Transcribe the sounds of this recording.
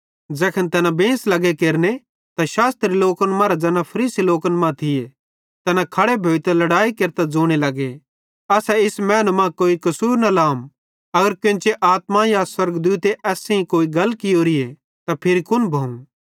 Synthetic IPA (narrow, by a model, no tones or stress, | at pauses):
d͡ʒɛːkʰənt̪ɛnabẽːslɐɡekeːɾne | t̪aʃaːst̪ɾiloːkənmãɾad͡ʒɛːnãpʰɐɾiːsiloːkənmãt̪ʰɪje | t̪ɛnãkʰɐɽebʱoːit̪alɐɽaːikeːɾt̪ad͡zoːɽ̃elɐɡe | ɐːsɛɪsmɛ̃ːnmãkoːikɐsuːɾnalaːm | ɐɡəɾkɪ̃t͡ʃeʔaːt̪majaswɐɾɡd̪uːt̪eʔɛːsẽĩkoːiɡɐlkɪjoːɾɪe | t̪apʰɪɾikʊnbʱɐũ